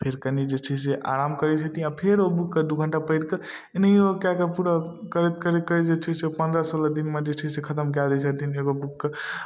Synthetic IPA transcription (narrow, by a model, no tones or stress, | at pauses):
pʰeɾkənid͡ʒet͡ʃʰɛseʔa̰ɾamkəɾɛt͡ʃʰət̪ĩapʰeɾobukːed̪uɡʱəɳʈapəɪɽkə | enəiokakəpuɾəkəɾet̪kəɾet̪̚kəid͡ʒet͡ʃʰɛsepənd̪ɾəsoləd̪inmed͡ʒet͡ʃʰɛsekʰət̪əmk̬ad̪ɛt͡ʃʰət̪ineɡobukːə